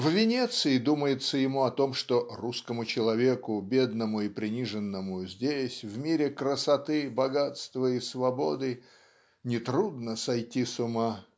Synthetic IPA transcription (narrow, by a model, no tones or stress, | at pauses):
vvʲɪnʲet̪sɨɪd̪uməjɪt̪səjɪmuɐt̪o̞mʂt̪oruskəmʊt͡ɕɪlˠɐvʲe̞kʊbʲe̞d̪nəmʊipɾʲɪnʲiʐɨnːəmʊzʲdʲesʲvmʲiɾʲɪkɾəsɐt̪ɨbɐɡat̪st̪vəisvɐbo̞d̪ɨ | nʲɪt̪ɾud̪nəsɐjtʲisʊma